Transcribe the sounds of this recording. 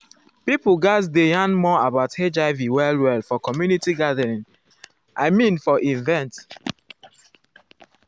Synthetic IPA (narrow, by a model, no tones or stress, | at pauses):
pipul̩ɡasdejãnmɔabaʊted͡ʒaɪviwɛlwɛlfɔkɔmjunitiɡadəɹĩŋ | ʔaɪmĩnfɔʔĩnvɛ̃nt